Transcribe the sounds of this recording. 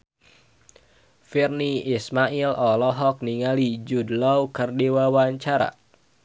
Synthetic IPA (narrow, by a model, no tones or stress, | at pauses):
firniismailɔlɔɦɔk̚niŋalid͡ʒudlɔwkərdiwawaɲt͡ʃaɾa̰